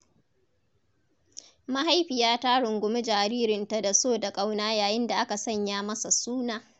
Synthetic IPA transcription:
ma˦ɦa˦jɸɪ˨jaː˦ta˦ɽʊ˨ŋɡʷʊ˨me˦d͡ʒaː˨ɾiː˦ɾɪ˨nta˦da˨soː˦da˨kʼa˦wnaː˦jaː˨jɪ˦nda˨ʔa˦ka˨sɐ˦˨ɲjaː˦mɐ˦sa˨suː˦naː˨

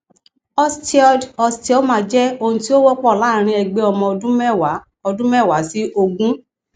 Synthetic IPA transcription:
ɔ˦sti˦ɔ˧dɔ˧sti˦ɔ˦mã˨˧d͡ʒɛ˦o˧nũ˧ti˦o˦wɔ˦k͡pɔ˦˨la˨˦˨ɾ̃ĩ˧ɛ˧ɡ͡be˧˦ɔ˧mɔ̃˧dũ˦m˦w | ɔ˧dũ˦mɛ˦˨wa˨˦si˦ʔo˧ɡũ˦

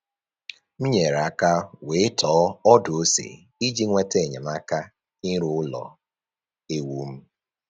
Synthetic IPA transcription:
m̩˦ɲe˨ɾa˦ka˦we˨ɪ˦tɔː˨˦ɔ˦dʊ˨o˦sḛ˨ | i˦d͡ʒi˦ŋʷe˦te˦˨ɲe˨ma˦ka˦ | ɪ˦ɾʊ˦ʊ˦lɔ̰˨ | e˦wu˦m̩˦

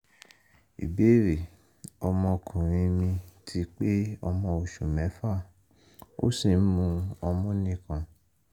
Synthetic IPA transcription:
ḭ˨be˨˦ɾe˨ | ɔ˧mɔ̃˧kʰũ˨ɾ̃ĩ˧mĩ˧tʰi˧˦k͡pe˦ɔ˧mɔ̃˧o˨ʃu˨mɛ̃˨˦fa˦˨ | o̰˦si˨˦mũ˧ɔ˧mɔ̃˦nĩ˦˧kã˧

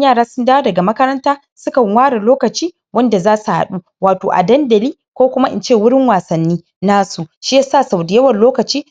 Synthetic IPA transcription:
jaː˦˨ɽaː˦sʊ˦ndaː˦wa˦dɐ˨ɡa˨mɐ˦kɐ˦ɾɐ˦ntaː˦ | sʊ˦kɐ˨ŋwaː˦ɽa˨loː˦kɐ˨t͡ʃiː˦ | wɐ˦nda˨zaː˦su˨ha̰˨ɗu˦ | waː˨toː˨ʔa̰˨dɐ˦ndɐ˨liː˦kʷoː˦kʷʊ˦ma˦ʔɪ̰˦nt͡ʃeː˦˨wʊ˦ɽɪ˦ŋwaː˨sɐ˨nːiː˦ | naː˦su˨ʃi˦ja˦saː˦˨sa˨wdɪ˨jɐ˦wɐ˨nloː˦kɐ˨t͡ʃiː˦

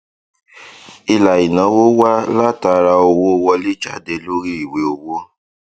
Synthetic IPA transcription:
i˦la˨i˨nã˨˦wo˦wa˦la˦ta˦ɾa˧o˧wo˦wɔ˧li˦t͡ʃa˦de˧lo˦ɾi˦˨we˨o˨wo˦

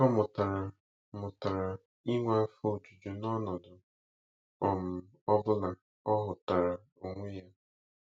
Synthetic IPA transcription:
ɔ˦mʊ˨ta˨ɾa˨ | mʊ˨ta˨ɾa˨ | i˦ŋʷa˦fo˦˨d͡ʒu˨d͡ʒu˨nɔ˦nɔ˨dʊ˨ | ɔ˨m̩˨ | ɔ˦bʊ˦la˨ | ɔ˦ɦʊ˨ta˨ɾa˨ | o˨ŋʷe˦ja˦

